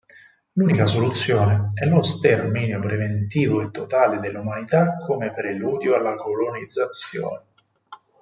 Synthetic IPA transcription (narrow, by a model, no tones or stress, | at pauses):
luːnikasolut̪sːjoːneɛlost̪ɛrminjopɾevent̪iːvoet̪ːot̪aːled̪elːumanit̪akʰːomepɾeluːd̪joalːakolonid̪zːat̪sjo̰ːne